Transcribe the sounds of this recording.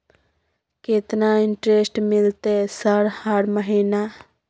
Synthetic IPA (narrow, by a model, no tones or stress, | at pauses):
ket̪naɪɳʈɾeːsʈmɪlt̪esəɽhaːɽməɦiːna